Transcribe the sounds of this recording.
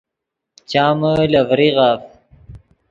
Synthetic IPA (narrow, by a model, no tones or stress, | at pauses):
t͡ɕaːməlɐvɾiʁaːf